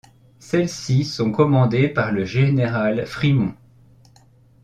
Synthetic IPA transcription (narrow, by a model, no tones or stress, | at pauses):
sɛlsisɔ̃kɔmɑ̃d̪epaʁləʒeneʁalfχimɔ̃